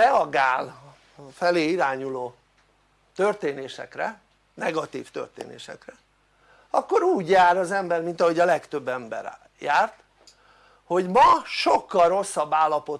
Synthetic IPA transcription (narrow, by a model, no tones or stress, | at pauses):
ɛɒɡaːl | fɛleːiɾaːɲuloː | t̪ørt̪eːneːʃɛ̰krɛ̰ | nɛɡɒt̪ḭːft̪ø̰rt̪ḛːnḛːʃɛ̰krɛ | ɒkːo̞ɾuːɟjaːɾɒzɛmbɛrmint̪ɒɦo̞ɟɒlɛkt̪ø̞bːɛmbɛ̰ɾ | jaːrt̪ | ho̞ɟmɒʃo̞kːɒlro̞sːɒbːaːlːɒpo̞